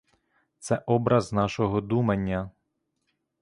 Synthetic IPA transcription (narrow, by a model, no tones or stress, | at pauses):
t̪sɛʔɔbɾɐznɑʃɔɦɔd̪umɐnʲːɐ